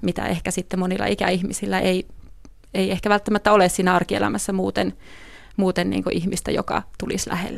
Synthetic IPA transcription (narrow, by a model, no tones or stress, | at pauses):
mit̪æ̰ʔehkæsit̪ːemonilˑːɑ̰ʔikæ̰ihmisilːæʔei | eiehkæʋælt̪ːæmæt̪ːæoleˑssiːnæɑrkiḛlæ̰mæsːæmuːt̪en | muːt̪ennḭːŋkoʔihmist̪æ̰jo̰kɑ̰t̪ulislæ̰hḛlːæ